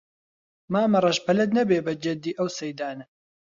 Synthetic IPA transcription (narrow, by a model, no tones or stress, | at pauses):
maːmɐrˤɐʒpʰɐlɐd̪nɐbeːbɐd͡ʒɐd̪iːʔɐwsɐjd̪aːnɐ